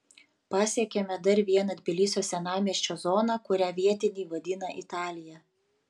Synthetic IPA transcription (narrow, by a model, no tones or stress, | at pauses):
pɑːsʲɛkʲɛmʲɛd̪ɐɾʋʲiɛnɐd̪ʲbʲɪlʲisʲoːsʲɛnɑːmʲiɛʃʲt͡ʃʲoːzɔːnɑkʊɾʲæːʋʲiɛt̪ʲɪnʲɛːʋɐd̪ʲɪnɐʔɪt̪ɑːlʲɪjɛ